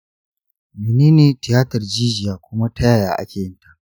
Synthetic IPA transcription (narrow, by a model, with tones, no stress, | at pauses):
mi˨neː˦neː˨tɪ˨jaː˦tɐ˨rd͡ʒiː˦d͡ʒɪ˨jaː˨kʷʊ˦ma˦tɐ˦jaː˨jaː˨ʔa̰˦kʲeː˨jɪ˦nta˨ʔ